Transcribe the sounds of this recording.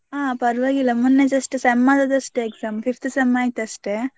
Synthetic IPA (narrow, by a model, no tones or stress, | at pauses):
aːpɐɾʋaːɡilːɐmunːed͡ʒɐsʈɨsɐmːaːd̪ɐt̪ɐsʈeɡzaːmfift̪ʰsɐmːaːjit̪ːɐsʈe